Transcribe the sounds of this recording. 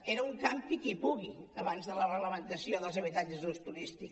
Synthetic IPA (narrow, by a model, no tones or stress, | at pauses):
eɾəuŋkampikipuɣiəβanzðələrəɣləmənt̪əsioðəlˠzəβ̞it̪ad͡ʒəzðust̪uɾist̪ik